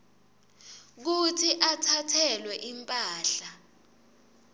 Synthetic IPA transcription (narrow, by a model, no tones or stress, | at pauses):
k̬utʰiʔatʰatʰɛlwɛʔimpʼaːɬa